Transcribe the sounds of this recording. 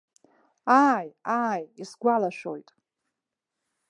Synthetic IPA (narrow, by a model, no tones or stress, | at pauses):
ajaːjisɡʷalaʃʷᶣo̰jtʼ